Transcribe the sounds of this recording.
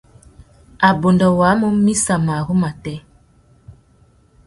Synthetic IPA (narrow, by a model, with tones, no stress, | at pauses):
a˨bo˨ndɔ˨waː˨˦mo˦mi˦sa˨ma˨ɣu˦ma˨tɛ˦